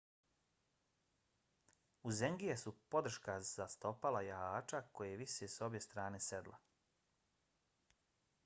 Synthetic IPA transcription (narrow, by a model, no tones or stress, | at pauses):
uzeŋɡijesupo̞d̪r̩ʃkaz̥ast̪o̞palajaaːt͡ʃakojejeʋiʃeso̞bjest̪ɾaːne̞sed̪lˠa